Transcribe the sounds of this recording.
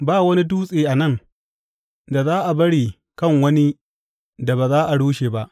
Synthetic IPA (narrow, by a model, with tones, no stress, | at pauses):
baː˦˨wɐ˦ni˦duː˦sʼeː˨ʔa˨nɐ˦˨ŋ | da˨zaː˦ʔa˨bɐ˦ɽiː˨ | kɐ˦˨ŋwɐ˦ni˦ | da˨baː˨zaː˦ʔa˨ɽuː˦ʃe˨ba˦ʔ